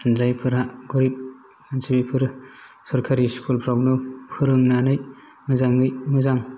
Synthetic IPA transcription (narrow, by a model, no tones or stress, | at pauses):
zajpʰɯɾaɡɔɾip̚ | ansibipʰɯɾ | sɔɾkʰaɾiskʰulpʰɾawnɯpʰɯɾɯŋnanɯj | mɯzaŋɯjmɯzaŋ